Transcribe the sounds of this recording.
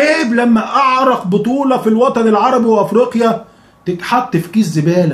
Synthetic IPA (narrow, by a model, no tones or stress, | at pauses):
eːblæmːæʔɑʕɾˤɑqbot̪ˤuːlɑfilwɑt̪ˤɑnelʕɑɾˤɑbiweʔæfɾiːqjæ | t̪ɪt̪ħɑt̪ˤːefkiːzːɪbæːl